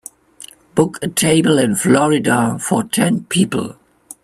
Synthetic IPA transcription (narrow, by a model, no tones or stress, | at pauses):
b̥ʊkʰɨtʰeɪbəl̩ɨ̃nflɔɹɪdafɔ˞tʰɛ̃npʰiːpl̩ˠ